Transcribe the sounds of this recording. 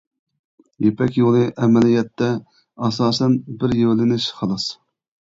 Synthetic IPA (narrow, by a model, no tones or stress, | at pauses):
jepʰɛkʲjolˠɨʔɛmɛlijɛt̪ʰːɛ | ɑsɑːsɛnbɪɾjewlɪnɪʃχɑlˠɑs